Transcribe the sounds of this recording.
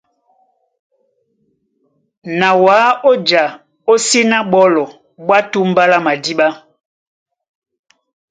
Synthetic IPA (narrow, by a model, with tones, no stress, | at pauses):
na˨waː˨˦o˦d͡ʒa˨ | o˦si˦na˦ɓɔ˦lɔ˨ | ɓwa˦tu˦m̩˦ba˦la˦ma˨di˦ɓa˦